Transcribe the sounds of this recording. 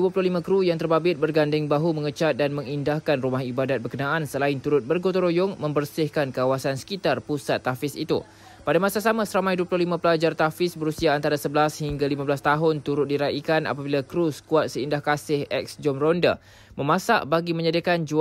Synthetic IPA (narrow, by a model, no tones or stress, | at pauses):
duəpulʊhlimãkɾujaŋt̪ərbabɪt̪̚bərɡandɪŋbaɦumə̃ŋət͡ʃat̪̚danmə̃ŋindahkanrumaɦibadat̪̚bərkənãʔansəlaɪnt̪uɾʊt̪̚bərɡot̪oɾojʊŋmə̃mbərsɪhkankawasansə̥kit̪arpusat̪ːafɪsḭt̪ṵ | padamasasamãsəɾamãjduəpulʊhlimãpəlad͡ʒart̪afɪsbəɾusiaːnt̪aɾasəbəlashiŋɡalimãbəlast̪aɦʊnt̪uɾʊt̪̚diɾaʔikana̰pabilakɾuskuat̪̚səindahkasɪhɛ̰k̚sd͡ʒɔmrɔnda̰ | məmãsa̰ʔbaɡimə̃ɲadakand͡ʒu